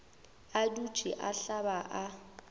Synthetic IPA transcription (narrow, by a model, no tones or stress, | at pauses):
adud̥ʒ̥ʱiʔaɬabaʔa